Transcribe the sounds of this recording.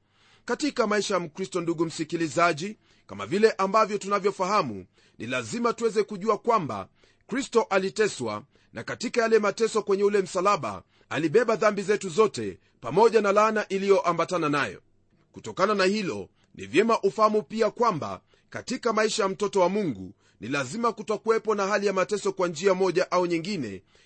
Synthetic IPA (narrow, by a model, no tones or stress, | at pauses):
katikamaiʃajam̩kɾistɔnduɡum̩sikilizaʄi | kama̰vilɛʔambavjɔtunavjɔfahamṵ | nʔḭlazimatuwɛzɛkuʄuakwamba̰ | kɾistɔʔalitɛswa̰ | nakatikajalɛmatɛsɔkwɛɲɛulɛm̩salaɓa̰ | aliɓɛɓaðambizɛtuzɔtɛ̰ | pamɔʄanalanaʔilijɔʔambatananajɔ̰ | kutɔkananahilɔ̰ | nḭvjɛmaʔufahamupiakwamba̰ | katikamaiʃajam̩tɔtɔwamuŋɡṵ | nilazimakutakuwɛpɔnaɦalijamatɛsɔkwand͡ʒiamɔʄaʔauɲiŋɡinɛ̰